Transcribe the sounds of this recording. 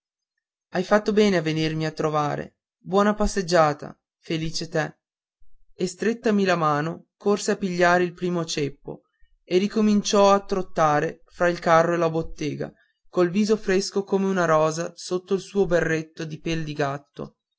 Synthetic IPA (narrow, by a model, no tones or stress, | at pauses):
ajfat̪ːobɛːneavːenirmiat̪ːɾova̰ːɾḛ | bwɔːnapasːed͡ʒːaːt̪a̰ | feliːt͡ʃet̪ɛ | est̪ɾet̪ːamilamaːnokorseapːiʎːaːɾeilpɾiːmot͡ʃepːo̰ | erikomint͡ʃɔat̪ːɾot̪ːaːɾe | fɾailkarːoelabot̪ːɛːɡa̰ | kolviːzofɾeskokomeunaɾɔːzasot̪ːoilsuːoberːet̪ːod̪ipɛld̪iɡat̪ːo̰